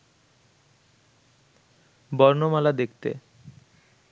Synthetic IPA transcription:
bɔɾnomalad̪ekt̪ḛ

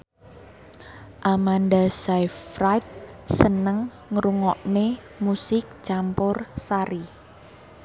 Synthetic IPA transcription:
ʔamandasajfɾajt̪̚sənəŋː | ɾuŋɔʔne | musɪk̚t͡ʃampʊrsaɾi

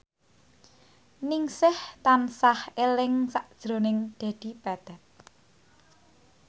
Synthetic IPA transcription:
niŋsɪht̪ansahelɪŋsaʔd̥ʒ̥ɾonɪŋd̪̥a̤d̪̥i̤pad̪̥a̤t̪̚

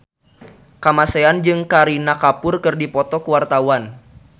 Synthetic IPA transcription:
kamaseand͡ʒɨŋkaɾinakapʊrkɨrdipɔt̪ɔkəwart̪awan

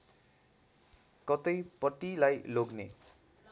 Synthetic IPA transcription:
kʌt̪ʌjpʌt̪ilajloɡnḛ

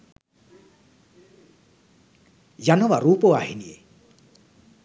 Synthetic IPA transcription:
janɔwarupoaɦinie

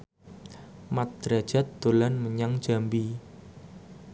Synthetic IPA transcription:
mat̪̚d̥ɾḁʒ̥a̤t̪̚d̪̥olanməɲaŋ̥ʒ̥a̤mbi

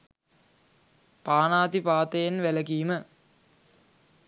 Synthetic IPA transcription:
paːnaːt̪ipaːt̪əjenʋæləkiːmə

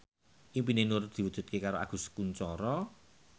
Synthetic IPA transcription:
ʔimpinenʊrd̪̥i̤wud̥ʒ̥ṳt̪̚kekaɾoʔa̰ɡ̥ṳskuɲt͡ʃɔɾɔ

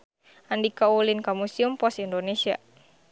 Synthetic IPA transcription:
andikaulinkamusiumpɔsindonesia̰

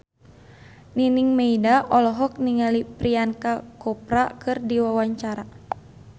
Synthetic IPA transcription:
niniŋmeidaʔɔlɔɦɔk̚niŋalipɾiankakɔpɾakɨrdiwawaɲt͡ʃaɾa

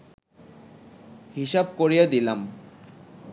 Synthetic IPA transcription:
hiʃab̚koɾijad̪ilam

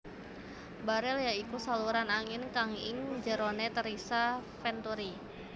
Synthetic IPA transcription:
baɾɛljaikusaluɾanaŋɪnkaŋɪ̰ŋd͡ʒəɾonet̪əɾisafɛnt̪uɾi

